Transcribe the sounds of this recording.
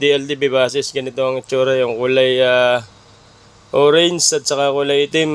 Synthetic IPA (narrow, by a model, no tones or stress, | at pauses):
d̪iɛld̪ibibaːsɪsɡɐnɪt̪oɐŋɪt͡ʃːuːɾɐjʊŋkʊlajaː | ʔoɾɛnsɐt̪̚sɐkakʊlajʔɪt̪ɪm